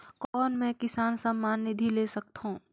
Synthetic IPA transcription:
kɔːnmɛ̃kɪsaːnsamːaːnːɪd̪ʱileːsɐk̚t̪ɦũː

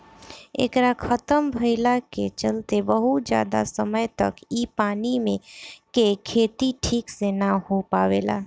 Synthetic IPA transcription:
ḛːkɾakʰət̪əmbʱəɪlaket͡ʃəlt̪ebəɦut̪̚d͡ʒja̰ːd̪a̰səməjt̪ə̰kiːpaːnimẽkekʰeːt̪iʈʰiːksenahopaːʋeːla̰ː

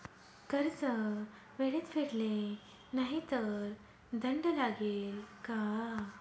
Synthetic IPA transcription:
kəɾt͡sə | ʋeɭet̪feɽle | naɦit̪əɾ | d̪əɳɖəlaɡeːlka

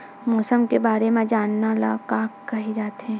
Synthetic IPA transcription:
mɔːsəmkebaːɾemẽd͡ʒaːnːala̰kaːkːɐɦid͡ʒaːt̪ɦɛ̃ː

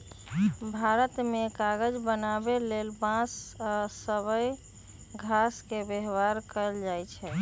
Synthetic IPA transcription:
bʱaɾət̪mekaɡəd͡ʒbənabelelbãsasəbəj | ɡʱaskebeɦwaɾkəld͡ʒajt͡ʃʰɛ

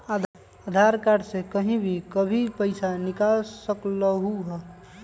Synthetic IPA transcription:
a | ad̪ʱaɾkaɖsekəɦĩbʱikəbʱipəɪsanikalsəkləɦuɦɛ

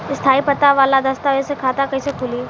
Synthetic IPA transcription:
ɪst̪ʰaːipɐt̪aʋaːlad̪ɐst̪aʋesekʰaːt̪akɐisekʰʊli

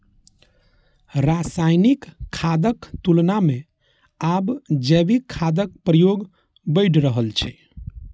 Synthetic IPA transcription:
ɾasajnikʰːad̪əkt̪ulname | abd͡ʒɛbikʰːad̪ək̚pɾəjoɡ | bəɪʈʰɾəɦəlt͡ʃʰɛ̰

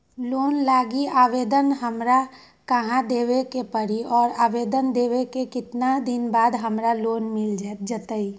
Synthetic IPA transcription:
loːnlaːɡiaːʋeːd̪ənɦəmɾa | kəɦãd̪eːʋekepəɽiɔːɾaːʋeːd̪ənd̪eːʋekekɪt̪nad̪ɪnbaːd̪ɦəmɾaloːnmɪld͡ʒad͡ʒət̪əi

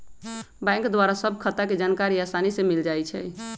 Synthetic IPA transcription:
bɛ̃ŋkd̪waɾasəbʱkʰət̪aked͡ʒankaɾiasanisemild͡ʒajt͡ʃʰɛ̰

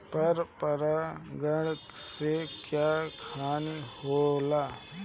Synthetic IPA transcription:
pɐɾpəɾaɡəɽksekjaːkʰaːniholaː

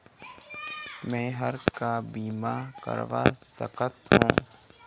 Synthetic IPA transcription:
mɛ̃ːɦəɾkabiːmaːkə̰ɾʋa̰ːsə̰kət̪ɦũː

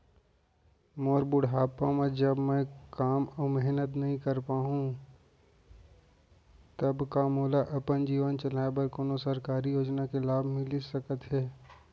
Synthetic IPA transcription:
moːɾbʊɽɦaːpãmẽd͡ʒəbmɛ̃kaːmɔːmɛɦnət̪nɐɦĩkɐɾpaːɦũ | t̪ɐbkamoːlaʔɐpənd͡ʒiːʋənt͡ʃɐlaːebəɾkoːnosɐɾkaːɾijoːd͡ʒnakelaːbʱmɪlisɐkət̪ɦɛː

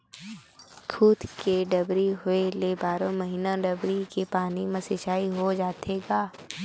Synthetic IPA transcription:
kʰuːt̪keɖəbɾiɦʊelebaːɾõməɦiːnaɖəbɾikepaːnimɐsɪʃaːiɦod͡ʒaːt̪ʰeːɡaː

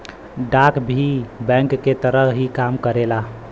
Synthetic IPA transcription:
ɖakbʱibɛ̃ŋkːet̪əɾəɦɦikamkəɾela

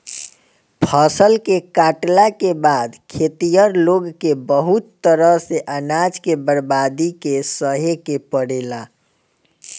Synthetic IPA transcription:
pʰəsəlkekaʈlakebad̪kʰet̪ijəɾloɡkebəɦut̪ːəɾəɦseʔənad͡ʒkebəɾbad̪ikesəɦekepəɽela

